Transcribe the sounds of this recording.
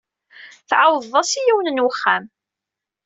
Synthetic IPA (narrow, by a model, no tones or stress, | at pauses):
θʕawððˤɑsijiwnənwəχːæm